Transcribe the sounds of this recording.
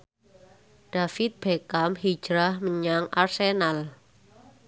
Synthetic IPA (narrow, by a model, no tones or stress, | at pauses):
ɖ̥afɪt̪̚b̥ekamhi̥d͡ʒ̥ɾahməɲaŋʔa̰rsenal